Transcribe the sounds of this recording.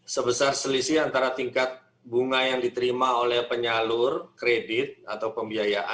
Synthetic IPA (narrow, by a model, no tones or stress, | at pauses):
səbəsarsəlisiant̪aɾat̪iŋkat̪̚ | buŋajaŋdit̪əɾimaolɛhpəɲalʊrkɾedɪt̪̚at̪awpəmbiajaʔa̰